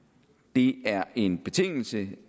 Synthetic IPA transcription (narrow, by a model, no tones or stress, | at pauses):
d̥e̝æɐe̝nb̥e̝t͡sʰe̝ŋ̰l̩sə